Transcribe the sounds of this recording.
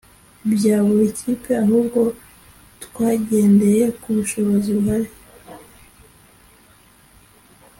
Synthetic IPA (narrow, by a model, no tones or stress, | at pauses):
bjaːβuɾecʰiːpʰeaɦubɡo̞ | tkwaːɟe̞ːnde̞je̞kuβuʃo̞βo̞ziβɦaɾi